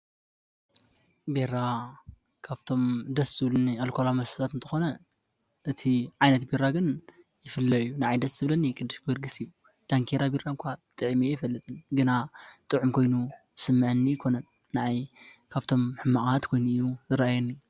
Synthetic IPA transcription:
beɾa | kʰaβt̪ʰo̞md̪ɐszɨβlɨnːialkʰolamɐsɐt̪ʰat̪ɨnt̪ʰɐ̥xo̞nɐ | ʔɨt̪ʰiʕajnɐt̪biɾaɡɨn | jɪfɨlːɐjːunaʕajd̪ɐszɨβlɐnːikʼɨd̪ːɨʃbɐɾɡɨsiju | d̪̥aŋkʰeɾabiɾankʷʰat̪ʼɨʕimijɪfɐlːɨt̪ʼɨnɡɨnat̪ʼɨʕumkʰo̞jnujɨsɨmːɨʕɨnːijɪkʰo̞nɐnːaʕajkʰaβt̪ʰo̞mħɨmːaʔʼat̪kʰo̞jnujuzɨɾaajɐnːi

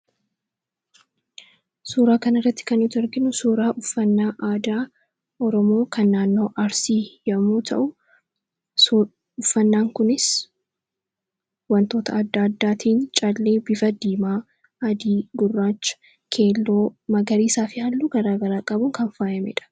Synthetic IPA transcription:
suːɾaːkɐnɪrːɐt̪ːɪ̥kɐnɪt̪ʊɔɾɡɪnʊsuːɾaːʔʊfːɐnːaːʔaːd̪aː | ʔɔɾɔmo̞ːkʰɐnːaːnːo̞ːʔɐɾsiːjɐmuːt̪ʰɐ̰ʔʊ | ʊfːɐnːaːŋkʊnɪs | wɐnt̪o̞ːt̪ɐːd̪ːaːd̪ːaːt̪ʰiːnt͡ʃʼɐlːeːbɪfɐd̪iːmaː | ɐd̪iːɡʊrːaːt͡ʃːɐ̥ | kʰe̞ːlːoːmɐɡɐɾiːsaːfɪalːuːɡɐɾaːɡɐɾaːkʼɐbʊŋkɐnfaːjɐmɛ̰ːᶑɐ̥

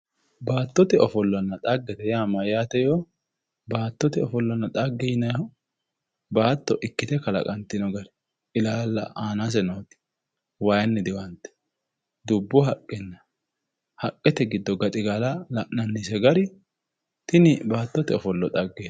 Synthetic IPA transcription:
baːt̪ːɔt̪ɛɔfɔlːɐnːɐt̪ʼɐɡːɛt̪ɛjaːmɐjaːt̪ɛjo | baːt̪ːɔt̪ɪɔfɔlːɔnːɐt̪ʼɐɡːɛjnɐj | baːt̪ːɔʔɪkːɪt̪ɛkɐlɐ̰kʼɐnt̪ːɪnɔɡɐɾɛ | ɪlaːlːɐ̰aːnas̬ɛnoːt̪ɪ̥ | wajɐnːɪd̪ɪwɐnt̪ːɛ̥ | d̪ʊbːɔɦɐkʼːɛnːɐ | hɐkʼːɛt̪ɛɡɪd̪ːɔɡɐt̪ʼɪɡaːlɐlɐʔnɐnːisɛɡɐɾɪ | t̪ɪnɪbaːt̪ːɔt̪ɛɔfɔlːɔt̪ʼɐɡːe

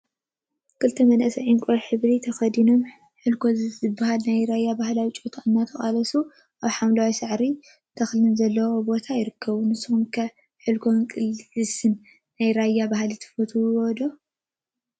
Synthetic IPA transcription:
kʰɨlt̪ʰɐmɐnʔɐsɐʕiŋkʷʼoħɨβlit̪ʰɐxɐd̪ino̞m | ħɨlkʰo̞zzɨbːaɦalnajɾajːabahlawit͡ʃʼot̪ʰaɨnːat̪ʰɐxʼalɐsu | ʔaβħamlawisɨʕɾi | t̪ʰɐxlɨnzɐlːɐwobo̞t̪ʰajɪɾɨkʰːɐβunɨsumkʰɐ | ħɨlkʰo̞nkʼɨlɨsɨnː | ajɾajːabahlit̪ʰɐ̥fot̪ʰuod̪o

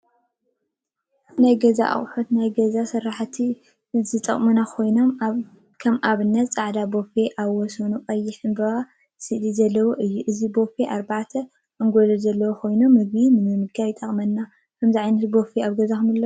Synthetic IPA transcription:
najɡɐza̰ʔa̰χʼħot̪najɡɐzasɨɾaħt̪ʰi | zɨt̪ʼɐ̰χʼmunakʰo̞jno̞m | kʰɐmʔaβɨnːɐt̪t͡sʼaʕd̪abo̞fe̞ʔaβwɔsɐnuqʼɐjːɪħɨnbɐβa | sɨʔlizɐlːɐwoʔɨjːuʔɨzibo̞feʔaɾbaʕt̪ʰɐ | ʔɨŋɡolɐzɐlːɐwokʰo̞jno̞mːɨɡbimɨnɨmɨɡajɪt̪ʼɐχʼmɐnːa | kʰɐmziʕajnɐt̪bo̞feaβɡɐzakɨmɐlːɐ

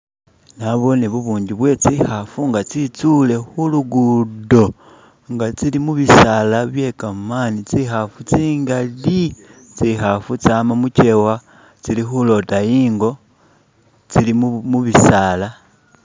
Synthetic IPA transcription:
naβo̞neβuβuːɲɟiβwe̞t͡sihafuŋɡat͡sit͡sule̞xuluɡudo̞ | ŋɡat͡silimuβisalaβje̞kamaːnit͡sixafut͡siːŋɡali | t͡sixafut͡saːmamuce̞wa | t͡silixulo̞tajiːŋɡo̞ | t͡silimumuβisala

